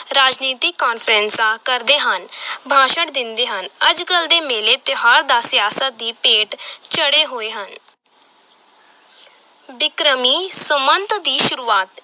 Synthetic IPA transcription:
ɾaːd͡ʒniːt̪ikːaːnfʰəɾɛ̃nsaːkəɾd̪eːɦənbʱãːʃəɽd̪ɪnd̪eːɦənəd͡ʒkəld̪eːmeːleːt̪ɪɦaːɾd̪aːsɪjaːsət̪̚d̪iːpeːʈt͡ʃəɽeːɦoːeːɦən | bɪkɾəmiːsəmənt̪d̪iːʃʊɾuːaːt̪

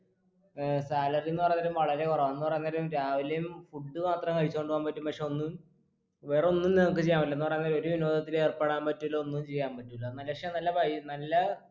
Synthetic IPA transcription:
saːlɐrijonːɨpɐrɐjːnːaːɾumʋɐɭɐɾe̞kurɐʋaenːɨpɐrɐjnːaːɾumɾaːʋilejumfuɖːɨmaːt̪rɐmkɐɻit͡ɕːukoɳɖɨʋaːmpɐtːumpɐkʂe̞o̞nːum | ʋero̞nːumniŋɐk̬ːɨt͡ɕejːaːmilːɐenːɨpɐrɐjnːaːɾo̞ɾuʋino̞ːd̪ʱɐt̪ːile̞ːrpeɽaːmpɐtːuilːoonːumt͡ɕe̞jːaːmpɐtːumilːɐnɐlːɐɐkʂenɐlːɐpɐjinɐlːɐ

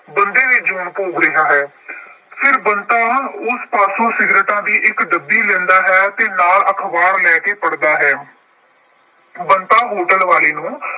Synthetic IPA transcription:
bənd̪eːʋed͡ʒuːnpoːkɾɪɦaːɦɛː | pʰɪɾbənt̪aːʊspaːsũːsɪɡɾəʈ̪ãːd̪iːʔɪkd̪əbːiːlɛ̃ːnd̪aːɦɛːt̪eːnaːlʔəkʰbaːɾlɛːkeːpəɽd̪aːɦɛː | bənt̪aːɦoːʈəlʋaːleːnũː

